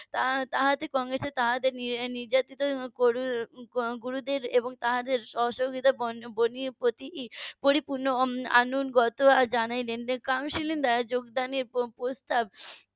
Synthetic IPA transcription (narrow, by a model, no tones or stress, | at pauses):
t̪at̪aɦat̪ekɔŋɡɾeset̪aɦad̪eɾnniɾd͡ʑat̪it̪okoɾu | ɡuɾud̪eɾeboŋt̪aɦad̪eɾʃɔʃoɡit̪abbonipɾot̪ipoɾipuɾnoa̰nunɡɔt̪oad͡ʑanajlenkamʃilend̪ad͡ʑoɡd̪aneɾpɾost̪ab̚